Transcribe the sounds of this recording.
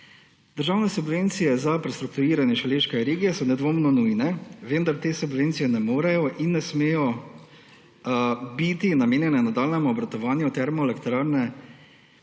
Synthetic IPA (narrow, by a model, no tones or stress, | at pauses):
d̪̥əɾʒaːwnɛsubʋent̪sijɛzapɾɛst̪ɾuk̚t̪uɾiːɾanjɛʃɔleːʃkɛɾeːɡijɛsɔnɛd̪ʋoːmnɔnujnɛʋənd̪aɾt̪eːsubʋent̪sijɛnɛmoːɾɛjɔʔinːɛsmeːjɔ | bit̪inameːnjɛnɛnad̪aːlnɛmuɔbɾat̪ɔʋaːnjut̪ɛɾmɔɛlɛkt̪ɾaɾnɛ